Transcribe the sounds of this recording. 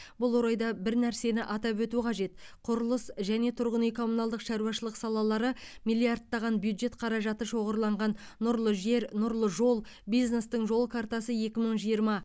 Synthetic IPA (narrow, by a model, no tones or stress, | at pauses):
bʊlˠwo̞ɾɑjd̪ɑbɪɾnæɾse̞nɪʔɑt̪ɑpwɵt̪uqʰɑʒe̞t̪qʰʊɾəlˠəsʒæne̞t̪ʰʊɾʁənijkʰo̞munɑlˠd̪əqʃɑɾuɑʃəlˠəqsɑlˠɑlˠɑɾəmijlʲˠijard̪ːɑʁɑnbjud̪ʒe̞t̪qʰɑɾɑʒɑt̪əʃo̞ʁəɾlˠɑɴʁɑnːʊɾlˠəʒe̞ɾnʊɾlˠəʒo̞lˠbijzne̞st̪əɴʒo̞lˠəkʰart̪ɑsəje̞kʲɪməɴʒijəɾmɑ